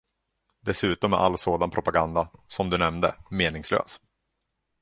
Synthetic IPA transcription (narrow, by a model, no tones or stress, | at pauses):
d̪ɛsʉ̟ːt̪ɔmɛ̰ʔa̰lːsoːd̪anpʰɾʊpaɡand̪asɔmd̪ɵnɛmd̪ə̰meːnɪŋslø̰ːs